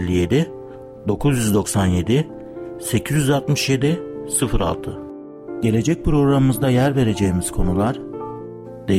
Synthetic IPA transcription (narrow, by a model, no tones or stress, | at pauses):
lʲːije̞d̪ɪ | d̪o̞kʰuzjyzd̪o̞ksanje̞d̪i | se̞cʰizjyzalˠt̪mɯʃje̞d̪isɯfɾa̰lˠt̪ʰɯ | ɟe̞lʲe̞d͡ʒɛc̚pʰɾo̞ɡɾamɯmɯzd̪ajæɾve̞ɾe̞d͡ʒejmiz̥kʰo̞nulˠaɾ̥ | d̪̥e